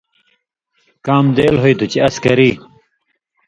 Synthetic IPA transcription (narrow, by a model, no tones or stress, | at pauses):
kaːmd̪eːlɦojt̪ut͡ɕeɐskɐɾiː